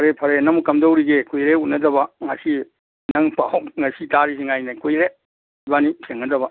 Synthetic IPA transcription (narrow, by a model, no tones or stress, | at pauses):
pʰɐɾepʰɐɾenɐŋmukɐmdowɾiɡekʰujɾeutnɐdɐbɐŋɐsi | nɐŋpawŋɐsitaɾis̬iŋajnakʰujɾe | banisʰeŋnɐdɐbɐ